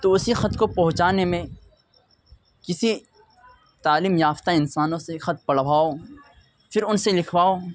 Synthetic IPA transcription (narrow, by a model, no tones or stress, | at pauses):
t̪oʊsixɐt̪kopɐɦʊt͡ʃaːnemẽ | kɪsi | t̪aːliːmjaːft̪aɪnsaːnõsexɐt̪̚pɐɽʋaːo | fʰɪɾʊnselɪkʰwaːoː